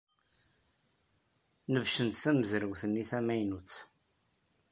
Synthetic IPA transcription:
nəvʃənt̪sæməzɾəwθənːiθæmæjnut͡sː

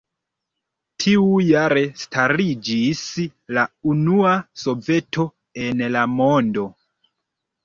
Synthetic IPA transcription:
tʰiujaɾe̞staɾid͡ʒislaunuaso̞ve̞tʰo̞ | e̞nlamo̞ndo̞

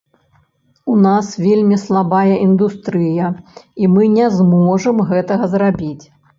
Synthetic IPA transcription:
unasvʲelʲmʲislˠabajɐʔind̪ust̪ɾɨjɐimɨnʲɛzmɔʐɐmɣɛt̪ɐɣɐzrabʲit͡sʲ

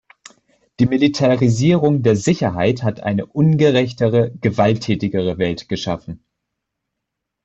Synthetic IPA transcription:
d̥iːmilitʰaʁiziːʁʊŋdeːɐzɪçɐɦa̰ɪthatʔa̰ɪnəʔʊnɡəʁɛçtəʁəɡ̥əvaltʰːɛːtɪɡəʁ̞əvɛltɡ̥əʃa̰fn̩

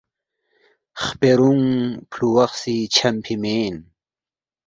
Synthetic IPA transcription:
χpeɾuŋpʰluwɑχsit͡ɕʰɐmpʰimeːn

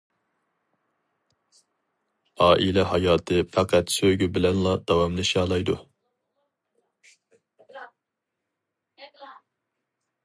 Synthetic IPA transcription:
ɑːʔilɛɦɑjɑːt̪ʰɨfʰɑqʰɛt̪søɡʲybɪlɛnlˠɑd̪̥ɑwɑmlˠɨʃjɑːlˠɑjd̪ṵ

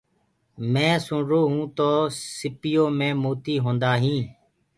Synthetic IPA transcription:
mɛ̃ːsʊɳɾoːɦũːt̪oːsɪpɪjoːmẽːmoːt̪iːɦõːnd̪aːɦĩː

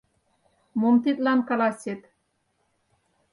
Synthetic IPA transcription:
momt̪it̪lɑnkɑlɑsʲet̪

